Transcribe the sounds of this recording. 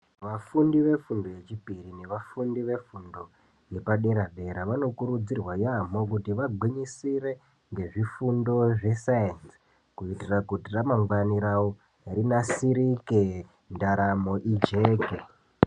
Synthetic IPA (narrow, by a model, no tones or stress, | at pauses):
ʋafundiʋe̞fundo̞je̞t͡ʃipirine̞ʋafundiʋe̞fundo̞ | je̞paɗeɾaɓʱe̞ɾaʋano̞kuɾud͡zirwajamo̞k̬utiʋaɡʱiɲisire̞ | ŋɡe̞ʐifundo̞ʐe̞sajens | kuitirakutiramaŋɡaniɾawo | rinasiɾike | ndaɾamo̞ʔid͡ʒe̞ːke